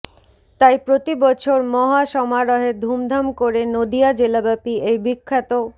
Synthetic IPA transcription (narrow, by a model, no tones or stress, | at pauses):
t̪ajpɾot̪ibɔt͡ɕʰoɾmɔɦaʃɔmaɾɔɦed̪ʱumd̪ʱamkoɾenod̪iad͡ʑelabapiejbikʰːat̪o